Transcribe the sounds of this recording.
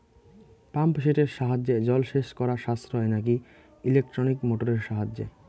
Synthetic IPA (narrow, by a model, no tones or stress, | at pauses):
pampʃeʈeɾʃaɦad͡ʑːed͡ʑɔlʃeʃkɔɾaʃast̪ɾoɦɔenak̬i | ilek̚ʈɾonikmoʈoɾeɾʃaɦad͡ʑːḛ